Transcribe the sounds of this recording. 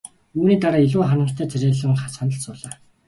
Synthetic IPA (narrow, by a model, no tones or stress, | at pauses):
uːniːt̪aɾaːiɮuːχannə̆ɬt̪ʰæːt͡sʰæɾʲeːɮə̆ŋχasanə̆ɬsʊːɮaː